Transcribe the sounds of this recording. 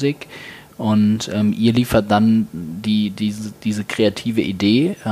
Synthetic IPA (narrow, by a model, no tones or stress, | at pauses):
zik | ʔʊntʔɛmʔiːɐliːfɐt̚d̥andiːdiːzd̥iːzəkʁ̥eatʰiːvəʔideː